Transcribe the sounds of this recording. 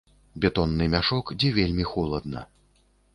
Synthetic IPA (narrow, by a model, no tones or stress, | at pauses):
bʲɛt̪ɔnːɨmʲaʂɔkd͡zʲɛvʲelʲmʲixɔlˠɐd̪nɐ̰